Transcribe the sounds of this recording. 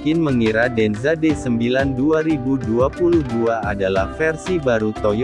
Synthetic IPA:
kɪnməŋiɾadɛnzadɛsəmbilanduaɾibuduapuluhduaadalahfɛrsibaɾut̪ɔj

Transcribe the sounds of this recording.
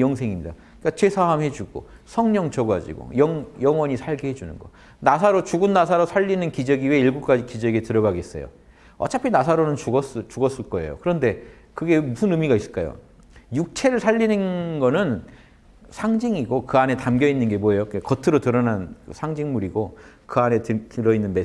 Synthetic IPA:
jʌŋsʰe̞ŋimɲida | k͈at͡ɕesʰaɦamɦe̞d͡ʑuɡ̥o̰sʰʌŋɲʌŋt͡ɕʰʌɡwad͡ʑḭɡo̰jʌŋjʌŋwʌɲisʰaɭɡihed͡ʑunɯnɡʌ̰ | nasʰaɾot͡ɕuɡɯnːas̬ʰaɾosʰaʎːinɯnkid͡ʑʌɡiɥeiɭɡuk͈ad͡ʑikid͡ʑʌɡetɯɾʌɡaɡe̞s͈ʌjo̰ | ʌt͡ɕʰapʰinasʰaɾonɯnt͡ɕuɡʌs͈t͡ɕuɡʌs͈ɯɭk͈ʌe̞̰jo̰kɯɾʌnde̞ | kɯɡe̞musʰɯnɯmiɡais͈ɯɭk͈ajo̰ | juk̚t͡ɕʰe̞ɾɯɭsʰaʎːinɯnɡʌnɯn | sʰaŋd͡ʑiŋiɡokɯane̞tamɡjʌinːɯnɡe̞moejokekʌtʰɯɾotɯɾʌnanɯsʰaŋd͡ʑiŋmuɾiɡokɯane̞ttɯɾʌinːɯnme

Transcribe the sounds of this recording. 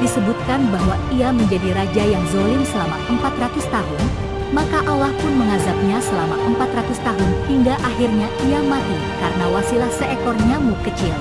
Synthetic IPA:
disəbut̪̚kanbaɦwaiaməɲd͡ʒadiɾad͡ʒajaŋzolɪŋsəlama̰ʔəmpat̪rat̪ʊst̪aɦʊn | makaʔalahpʊnməŋazap̚ɲasəlamaʔəmpat̪rat̪ʊst̪aɦʊnhiŋɡaʔaɦirɲaiamat̪i | kaɾənawasilahsəekɔrɲamukət͡ʃɪl

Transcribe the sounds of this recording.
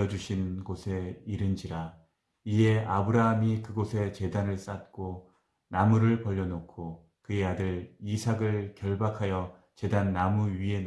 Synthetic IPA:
ʌd͡ʑuɕʰinɡosʰe̞iɾɯnd͡ʑiɾa | ie̞abɯɾaɦamikɯɡosʰe̞t͡ɕe̞danɯɭs͈at̚k͈o | namuɾɯɭpʌʎːʌnokʰo | kɯe̞adɯɾisʰaɡɯɭkjʌɭbakʰajʌ | t͡ɕe̞danːamuɥie̞n

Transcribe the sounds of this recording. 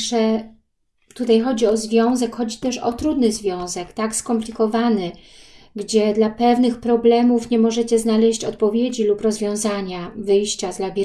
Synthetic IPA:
ʂɛ | t̪ut̪ajxɔd͡ʑiɔzvʲjɔ̃w̃zɛkxɔd͡ʑit̪ɛʂɔ̰t̪ɾud̪nɘzvʲjɔ̃w̃zɛkt̪akskɔmplʲikɔvanɘ | ɡd͡ʑɛd̪lapɛvnɘxpɾɔblɛmufɲɛmɔʐɛt͡ɕɛznalɛɕt͡ɕɔt̪̚pɔvʲjed͡ʑilupɾɔzvʲjɔ̃w̃zaɲavɘjɕt͡ɕazlabʲi

